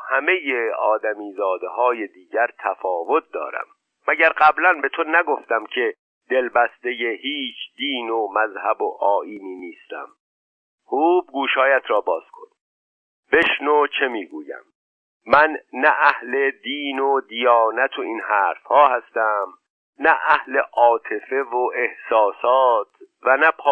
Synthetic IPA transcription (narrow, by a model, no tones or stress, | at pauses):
hæme̞jeɒːd̪æmiːzɒːd̪eɦɒːje̞d̪iːɟæɾt̪ʰæfɒːvo̞t̪̚d̪ɒ̰ːɾæ̰mː | æɟæɾɢæblænbe̞t̪ʰonæɡo̞ft̪æmcʰe̞ | d̪̥e̞lbæst̪ejehiːt͡ʃʰd̪̥iːnomæzhæboʔɒːiːniːniːst̪æ̰m | huːb̚ɡuːʃɒːjæt̪ʰɾɒːbɒːz̥kʰo̞̰n | b̥e̞ʃnot͡ʃʰemiːɡṵːjæ̰mː | ænːæʔæhle̞d̪iːnod̪ijɒːnæt̪ʰoinhæːɾfhɒːhæst̪æm | næʔæhle̞ʔɒːt̪ʰe̞fe̞voʔe̞hsɒːsɒːt̪ʰ | vænæpʰː